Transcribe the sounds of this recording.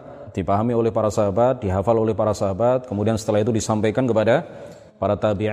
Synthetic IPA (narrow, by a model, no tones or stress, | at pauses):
d̥ipaɦamiolɛhpaɾasaɦabat̪̚diɦafalolɛhpaɾasaɦabat̪̚kəmudiansə̥t̪əlahit̪udisampajkankəpada | paɾat̪abi